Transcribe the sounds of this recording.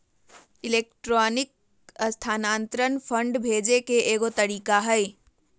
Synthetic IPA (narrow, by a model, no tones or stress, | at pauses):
ɪleːk̚ʈɾɔːnɪk̚ | st̪ʰaːnaːnt̪ɾənpʰə̃ɳɖbʱeːd͡ʒekeeːɡot̪əɾiːkaɦɛj